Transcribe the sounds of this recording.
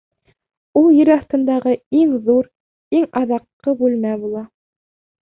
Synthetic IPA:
ulˠjɘ̆ɾɑθt̪ɤ̆nd̪ɑʁɤiŋðuɾ | iŋɑðɑqːɤbʉlmæbulˠɑ

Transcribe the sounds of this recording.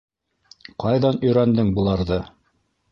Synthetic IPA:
qɑjðɑnɵ̆jɾænd̪ɘŋbulˠɑɾðɤ

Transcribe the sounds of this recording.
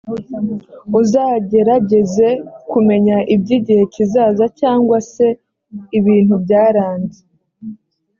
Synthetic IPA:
uzaːɟe̞ɾaɟe̞ze̞kume̞ɲaʔibɟiɟihe̞cizaːzacaːŋɡwase̞ | iβiːn̥hubɟaːɾaːɲɟe

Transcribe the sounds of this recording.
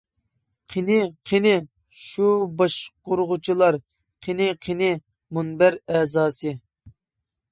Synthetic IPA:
qʰenɪqʰenɪ | ʃubɑʃqoɾʁʊt͡ʃʰilˠɑɾ | qʰenɪqʰenɪ | munbæɾɛːzɑːsɨ

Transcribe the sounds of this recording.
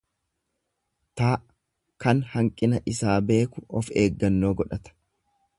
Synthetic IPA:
t̪aːʔ | kɐnhɐŋkʼɪnɐʔɪsaːbe̞ːkʊɔfe̞ːɡːɐnːo̞ːɡɔᶑɐt̪ɐ̥

